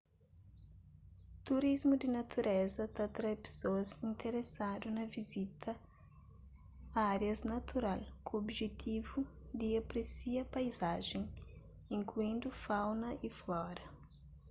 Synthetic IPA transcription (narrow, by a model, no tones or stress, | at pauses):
t̪uɾizmʊd̪ɪnat̪ʰuɾʔɛzɐt̪at̪ɾajpe̥soɐzĩnt̪ʰeɾesad̪ʊnɐvizit̪ʰɐ | ɐaɾjɐznɐt̪ʰuɾalkʊobʒet̪ʰivud̪ɪapɾesiɐpajzaʒẽj̃ | ĩŋkluĩnd̪ʊfawnɐʔiflɔɾɐ